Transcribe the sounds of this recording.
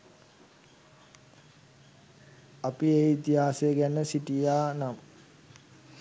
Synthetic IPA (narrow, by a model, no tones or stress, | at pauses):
apiejit̪iɦaːseɡænəsiʈijaːnamə